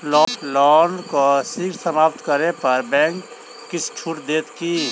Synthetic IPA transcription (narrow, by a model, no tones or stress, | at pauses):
lɔlɔːnkosikɾsəmaːpt̪kəɾepɐɾbɛ̃ːŋkː | isʈʰuːʈd̪eːt̪ki